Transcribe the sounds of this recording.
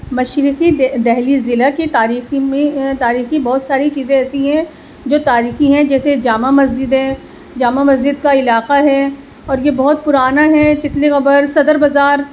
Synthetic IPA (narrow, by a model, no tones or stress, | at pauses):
mɐʃɾɪqid̪ɛɦlizɪlakit̪aːɾiːximẽt̪aːɾiːxibɔːt̪saːɾit͡ʃiːzẽɛːsiɦɛ̃ | d͡ʒoːt̪aːɾiːxĩɦɛ̃d͡ʒɛːsed͡ʒaːmamɐzd͡ʒɪd̪ɦɛ̃ː | d͡ʒaːmamɐzd͡ʒɪd̪kaɪlaːqaɦɛ | ɔːɾjebɔɦʊt̪̚pʊɾaːnaɦɛt͡ʃɪt̪liɣɐbəɾsɐd̪əɾbɐzaːɾ